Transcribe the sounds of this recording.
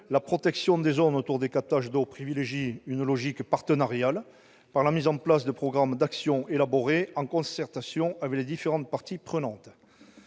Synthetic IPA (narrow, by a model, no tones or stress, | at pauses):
lapχɔt̪ɛksjɔ̃d̪ezɔnot̪uʁd̪ekap̚t̪aʒd̪opχivileʒiynlɔʒikpaʁt̪ənaʁjal | paʁlamizɑ̃plasd̪əpχɔɡʁamd̪aksjɔ̃ʔelaboʁeɑ̃kɔ̃sɛʁt̪asjɔ̃avɛkled̪ifeʁɑ̃t̪̚paʁt̪ipχənɑ̃t̪